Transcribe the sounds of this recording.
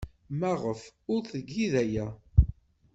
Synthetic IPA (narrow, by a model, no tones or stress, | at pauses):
mæʁəfʊɾθəɡːiðæjæ